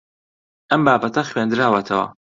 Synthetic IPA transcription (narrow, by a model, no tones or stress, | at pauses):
ʔɐmbaːpɐt̪ʰɐxweːnd̪ɾaːwɐt̪ʰɐwɐ̰